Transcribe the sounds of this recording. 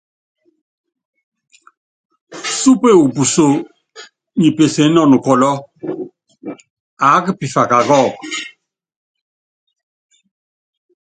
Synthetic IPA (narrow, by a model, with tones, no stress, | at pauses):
su˦pe˦˨u˨pu˨so˦˨ | ɲi˨pe˨se˨˦nɔ˨nu˨kɔ˨lɔ˦ | a˨˦ki˦pi˨fa˨ka˨kɔ˦˨